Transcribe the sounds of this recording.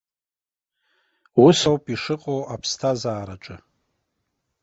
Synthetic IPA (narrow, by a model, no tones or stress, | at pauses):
wusowpʼiʂɨqʼowapʰstʰazaːɾaʈ͡ʂʼɨ